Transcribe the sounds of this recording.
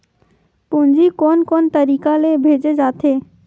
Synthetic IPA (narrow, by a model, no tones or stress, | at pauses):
pund͡ʑikonkont̪əɾikalebʱed͡ʑed͡ʑat̪ʰe